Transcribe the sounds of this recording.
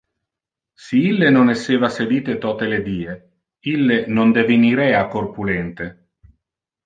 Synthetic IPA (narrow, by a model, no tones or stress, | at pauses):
siilːenonesːeːvaseliːt̪et̪ɔːt̪eled̪iːe | ilːenond̪eviniɾɛːakorpulɛnt̪e